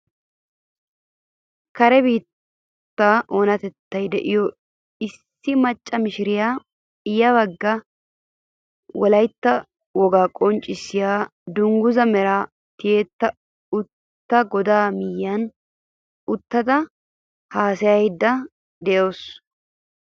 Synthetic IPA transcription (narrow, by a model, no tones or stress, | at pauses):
kɐɾɛbiːt̪ː | ɐʔoːnɐt̪ɛt̪ːɐjd̪ɛʔɪjɔ | ɪsːɪmɐt͡ʃʼːɐmɪʃɪɾɪjaː | ɪjɐβɐɡːɐ | wɔlɐjt̪ːɐ | wɔɡaːkʼɔnt͡ʃʼːɪsɪjaːd̪ʊŋɡʊzɐmɛɾa | t̪ɪjeːt̪ːɐ | ʊt̪ːɐɡɔd̪aːmɪjːɐn | ʊt̪ːɐt̪ɐ | haːsɛjɐjd̪ːɐ | d̪ɛjo̞ːs